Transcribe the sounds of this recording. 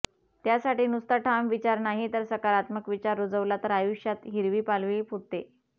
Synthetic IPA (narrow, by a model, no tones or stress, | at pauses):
t̪jasaʈiːnust̪aʈʰamʋit͡ɕaɾnaɦit̪əɾsəkaɾat̪məkʋit͡ɕaɾːod͡zəʋlat̪əɾajuɕjat̪ɦiɾʋiːpalʋiːfuɽt̪e